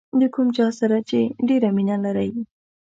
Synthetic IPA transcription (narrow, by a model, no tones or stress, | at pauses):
d̪əkʰumt͡ʃɑsaɾat͡ʃeɖeɾaminalaɾaj